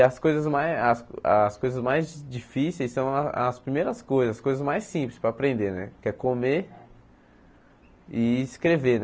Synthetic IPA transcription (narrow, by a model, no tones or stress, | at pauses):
ɐskojzɐzmajɐsɐ̰skojzɐzmajzd͡ʒifisejssɐ̃w̃ɐɐspɾimejɾɐskojzɐzɐskojzɐzmajsːĩplɪspɾaːpɾẽnd̪enɛ̰kɛkome | ɪɪskɾevenɛ